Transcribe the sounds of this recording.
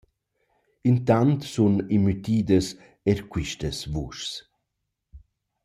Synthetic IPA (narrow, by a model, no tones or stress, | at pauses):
int̪ant̪sunimːyt̪iːd̪əs | ɛɾkwiʃtəsvuʃs